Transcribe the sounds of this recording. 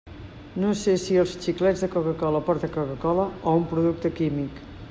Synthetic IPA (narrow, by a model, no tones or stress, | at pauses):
nosesiəlˠst͡ʃiklɛd͡zðəkokəkɔləpɔɾt̪əkokəkɔləɔumpɾuðuk̚t̪əkimik